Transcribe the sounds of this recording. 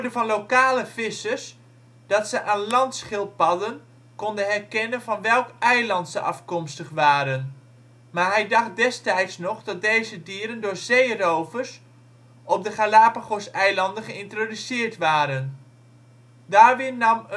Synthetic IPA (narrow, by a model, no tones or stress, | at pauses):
dəvɑnlowkaːləfɪsəs | d̥ɑtsəʔaːnlɑntsχɪlˠpɑdən | kɔndənɦɛrkɛnənvɑnʋɛlˠkʔɛjlɑntsəʔɑ̰fkɔmstəχʋaːɾən | maːɹɦɛjdɑχt̚dɛstɛjtsnɔχdɑt̚dejzədiːɾəndʊːɹzejrowvərs | ɔp̚dəχalaːpaχosɛjlɑndənχəɪntrodysɪːrtʋaːɾən | daːrʋɪnnɑm